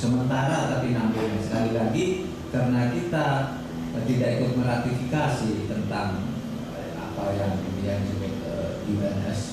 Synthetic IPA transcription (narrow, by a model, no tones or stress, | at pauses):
səmənt̪aɾat̪apinambiɲasəkalilaɡi | kaɾənakit̪a | t̪idaʔikʊt̪̚məɾat̪ifikasit̪ənt̪aŋ | a̰pawjaŋiijaŋd͡ʒuɡat̪̚ədibanəs